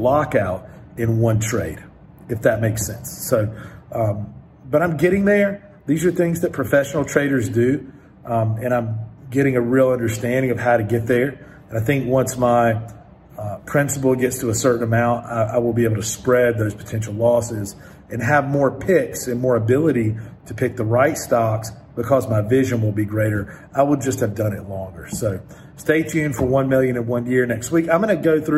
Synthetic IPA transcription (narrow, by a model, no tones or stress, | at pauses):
lɑkaʊɾɨ̃nwʌ̃ntʰɹ̥eɪɾ | ɨfðɨt̚meɪksɛ̃nsːoʊ | b̥ʌɾãɪ̃mɡɛɾɪ̃ŋðə˞ | ðizə˞θɪ̃ŋzðɨt̚pʰɹ̥ɨfɛʃn̩l̩ˠtʰɹ̥eɪɾə˞zdʉ | ɨ̃ɾ̃ãɪ̃mɡɛɾɪ̃ŋɨɹilˠʌ̃ndə˞stæ̃ndɪ̃ŋʌv̥haʊɾɨɡɛt̪̚ðə˞ | ɨ̃naɪθɪ̃ŋkwʌ̃nsmaɪ | pʰɹ̥ɪ̃nsəpl̩ˠɡɛtstʰəːsɜ˞ʔn̩əmãʊ̃ntaɪʔaɪwəlˠbieɪb̩ˠtʰɨspɹɛd̪̚ðoʊz̥pʰə̥tʰɛ̃nʃl̩ˠlɔsɪz | ɨ̃nɨvmɔɹpʰɪksɨ̃nmɔɹɨbɪlˠəɾiɾɨpʰɪk̚ðəɹaɪtstɑks | b̥ɨkʰʌzmaɪvɪʒɨ̃nwəlˠbiɡɹeɪɾə˞ | ʔaɪwəlˠd͡ʒʌst̚hɨvdʌ̃nɨtˡlɔ̃ŋɡə˞soʊ | steɪtʰʉ̃ɱfə˞wʌ̃nmɪlˠjɨ̃nɨ̃wʌ̃njɪɹnɛkst̚wikãɪ̃mɡ̥ʌnɨɡoʊθɹ